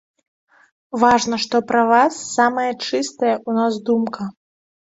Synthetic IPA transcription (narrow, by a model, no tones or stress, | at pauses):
vaʐnɐʂt̪ɔpɾɐvasːamɐjɐt͡ʂɨst̪ɐjɐʔunazd̪umkʰɐ